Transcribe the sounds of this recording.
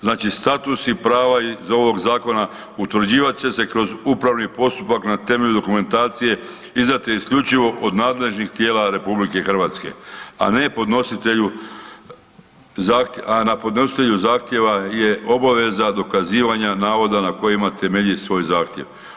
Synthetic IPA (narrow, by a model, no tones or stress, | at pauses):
znaːt͡ʃist̪at̪usipɾaːʋaizo̞ʋo̞ɡzaːko̞na | ut̪ʋr̩d͡ʑiːʋat̪t͡ʃe̞se̞kɾo̞zupɾaʋnipo̞st̪upaknat̪e̞meʎud̪o̞kume̞nt̪aːt̪sije̞ | izd̪at̪iiskʎut͡ʃiʋo̞ʔod̪naːd̪le̞ʒnixt̪jeːlaɾe̞publike̞xr̩ʋat̪ske̞̰a̰ne̞po̞d̪nosit̪eʎu | zaːxt̪anapod̪no̞si̥t̪e̞ʎuzaːxt̪je̞ʋaje̞ʔo̞baʋe̞zad̪o̞kaziːʋaɲanaːʋo̞d̪anako̞jimat̪e̞meʎisʋo̞ːjzaːxt̪je̞ʋ